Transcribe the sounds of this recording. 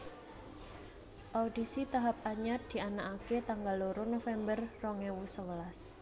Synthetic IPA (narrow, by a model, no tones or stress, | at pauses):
ʔaud̥i̤sit̪aɦap̚aɲat̪̚d̪̥i̤anaʔaket̪aŋɡaloɾonofɛmbərːɔŋɛwusəwəlas